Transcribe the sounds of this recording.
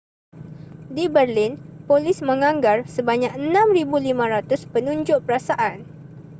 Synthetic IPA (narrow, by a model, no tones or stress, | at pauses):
dibərlinpolismə̃ŋãŋɡarsəbaɲãk̚ənãmribulimãɾat̪ʊspənũɲd͡ʒʊʔpəɾasaʔan